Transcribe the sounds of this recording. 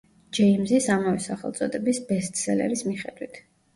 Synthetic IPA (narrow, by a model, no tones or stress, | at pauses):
d͡ʒɛimzisamavɛsaχɛ̰lˠt̪sʼɔd̪ɛbisbɛst̪sɛlɛ̰ɾismiχɛd̪wit̪ʰ